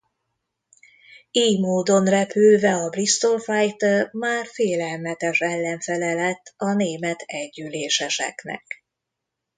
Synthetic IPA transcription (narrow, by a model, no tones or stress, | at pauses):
iːjmoːd̪o̞nrɛpylvɛɒbrist̪o̞lfajt̪rmaːrfeːlɛlmɛt̪ɛʃɛlːɛɱfɛlɛlɛt̪ːɒneːmɛt̪ʰɛɟːyleːʃɛʃɛ̰knɛ̰k